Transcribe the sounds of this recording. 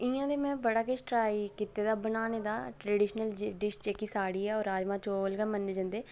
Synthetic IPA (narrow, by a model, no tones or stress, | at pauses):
ɪ̃ãːd̪eːmɛ̃ːbəɽaːkesʈɾaːikɪt̪ːeːd̪aːbənaːneːd̪aːʈɾəɖɪːʃnəlɖɪʃt͡ʃeːkiːsaːɽiːɛːɔːɾaːd͡ʒmãːt͡ʃoːlɡəmənːeːd͡ʒãːnd̪eː